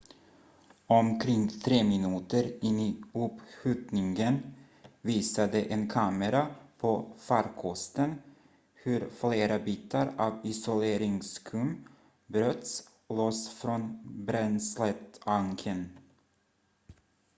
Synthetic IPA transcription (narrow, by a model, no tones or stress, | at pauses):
ɔmkʰɾɪŋːt̪ʰɾeːmɪnʉ̟ːt̪əɾɪnːɪɵpɧʉ̟ːt̪nɪŋɡən | viːsad̪əʔenkʰɑːməɾapʰofaɾkʰɔst̪ən | hɵɾfleːɾabiːt̪ʰaɾɑːvɪsʊleːɾɪŋskʰɵm | bɾœt̪s | loːsfɾonbɾɛnslɛt̪baŋkʰən